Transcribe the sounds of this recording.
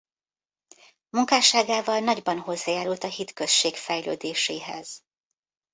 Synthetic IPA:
muŋkaːʃaːɡaːvɒlnɒɟbɒnɦo̞zːaːjaːɾult̪ɒɦit̪kø̞st͡ʃːeːkfɛjlø̰ːd̪eːʃeːɦɛ̰z̥

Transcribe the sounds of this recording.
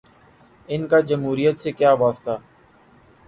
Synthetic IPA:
ɪnkad͡ʒəmɦuːɾijət̪sekjaːʋaːst̪aː

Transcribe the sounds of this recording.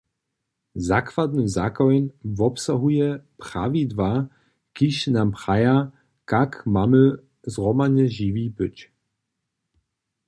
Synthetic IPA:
zakvad̪nəzakɔjnvɔpsaɦujɛpɾa̰vid̪va | kiɕnampχaja | kakmamə | zʁɔmaɲɛʒivipɨt͡ɕ

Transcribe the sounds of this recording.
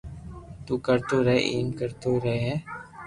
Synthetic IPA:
t̪uːkəɾt̪oːɾəḛʔiːmkəɾt̪oːɾəɦeːɦɛ̃ː

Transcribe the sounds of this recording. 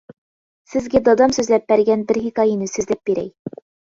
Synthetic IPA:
sɘ̆zɡæd̪od̪ɑmsʉzlæp̚bæɾɡænbɘ̆ɾɦikɑinɘsʉzlæp̚b̥iɾæ̰j

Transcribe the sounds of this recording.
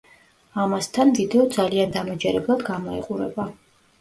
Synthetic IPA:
amast̪ʰanmvid̪ɛɔd̪zaliand̪amɔd͡ʒɛɾɛblˠad̪ɡamɔḭqʼuɾɛba

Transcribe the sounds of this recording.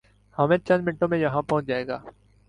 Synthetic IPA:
hɐmẽt͡ʃɐ̃nd̪mɪɪ̃ɳʈõmẽjɐɦãpɔ̃ːʊ̃t͡ʃd͡ʒaːeːɡa̰ː

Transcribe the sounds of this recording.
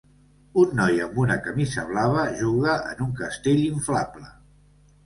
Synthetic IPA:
unːɔjəmbunəkəmizəβ̞laβ̞əʒuɣəə̰nuŋkəst̪eʎiɱflablə

